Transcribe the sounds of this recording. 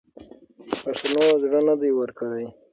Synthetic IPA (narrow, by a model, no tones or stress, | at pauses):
pasanozɽənad̪ajwəɾkəɽaj